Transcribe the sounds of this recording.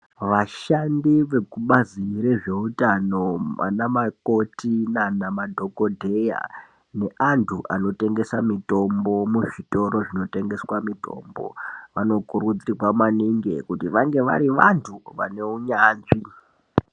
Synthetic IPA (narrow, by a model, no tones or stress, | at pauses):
ʋaʃandiʋe̞kuɓaziɾeʐe̞utano̞ma̰namako̞tinanamadʱo̞ko̞dʱe̞ja̰ | ne̞ʔantʰuʔano̞te̞ŋɡe̞samito̞mbo̞muʐito̞ɾo̞ʐino̞te̞ŋɡe̞swamito̞̰mbo̞̰ʋano̞kurud͡ziriwamaniŋɡe̞̰kutiʋaŋɡe̞ʋa̰ɾiʋantʰuʋa̰ne̞uɲaːnʐi